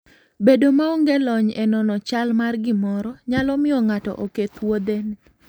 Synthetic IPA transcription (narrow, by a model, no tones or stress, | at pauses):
bedomaoŋɡɛlɔɲɛnɔnɔt͡ʃalmarɡɪmɔɾɔɲalɔmɪɔŋatɔ̰ʔoket̪wod̪en